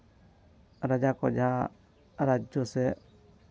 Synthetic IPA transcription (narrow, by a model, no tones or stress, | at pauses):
ɾəd͡ʒakɔ̰d͡ʒã | ɾad͡ʒjose